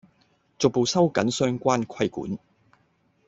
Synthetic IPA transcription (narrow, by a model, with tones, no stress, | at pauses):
t͡so˨k̚po˨˧wsɐ˥wkɐ˨˥nsœː˥ŋkʷaː˥nkʰɐ˥jkṵː˨˥n